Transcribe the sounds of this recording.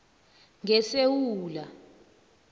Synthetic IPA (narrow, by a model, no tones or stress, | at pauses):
ŋɛsewuːla